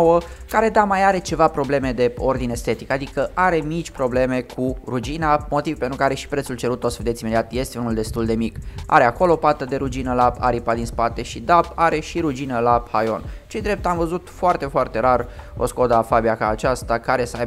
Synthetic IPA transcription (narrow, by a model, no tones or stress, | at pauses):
owəkaɾe̞d̪amajaɾe̞t͡ʃe̞vapɾo̞ble̞me̞d̪e̞o̞rd̪inest̪e̞t̪ikad̪ikəʔaɾe̞mit͡ʃʲpɾo̞ble̞me̞kʰuɾud͡ʒinamo̞t̪ivpent̪ɾukaɾe̞ʃi̥pɾet̪sult͡ʃe̞ɾut̪ːosəved̪esʲimed̪iat̪je̞st̪e̞unuld̪e̞st̪uld̪e̞mika̰ɾe̞ako̞lopat̪əd̪e̞ɾud͡ʒinəlapa̰ɾipad̪inspat̪e̞ʃid̪apaɾe̞ʃiɾud͡ʒinəlaphajo̞nt͡ʃe̞jd̪ɾe̞p̚t̪amvəzut̪foart̪e̞foart̪e̞ɾaro̰sko̞d̪əfabiakaːt͡ʃast̪akaɾe̞səaj